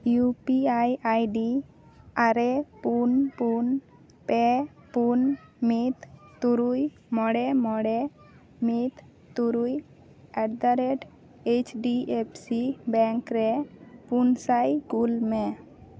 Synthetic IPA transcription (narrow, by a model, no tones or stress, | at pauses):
jupiajajɖi | aɾepunpun | pɛpunmit̪ːuɾuj | mɔɽɛmɔɽɛ | mit̪ | t̪ːuɾuj | ɛʈd̪aɾeʈ | et͡ʃɖiepʰsibɛŋkɾɛpunsajɡulme